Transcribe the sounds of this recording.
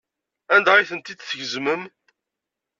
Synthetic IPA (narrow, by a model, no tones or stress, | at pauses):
ænd̪æiθənt̪id̪θəʝəzməm